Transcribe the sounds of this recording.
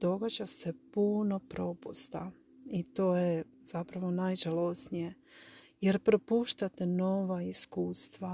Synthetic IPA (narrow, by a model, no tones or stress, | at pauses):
d̪o̞ɡad͡ʑase̞puno̞pɾo̞pust̪a | it̪o̞ːje | z̥apɾaʋo̞najʒalosnije̞ | jeɾpɾo̞puːʃt̪at̪eno̞ʋaiskuːst̪ʋa